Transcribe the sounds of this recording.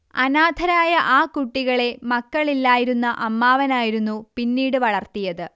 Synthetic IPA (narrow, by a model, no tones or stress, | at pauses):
ɐnaːd̪ʱɐɾaːjɐʔaːkuʈːiɣɐɭe̞mɐkːɐɭilːaːjiɾunːɐʔɐmːaːʋɐnaːjiɾunːupinːiːɽɨʋɐɭɐrt̪ijɐðɨ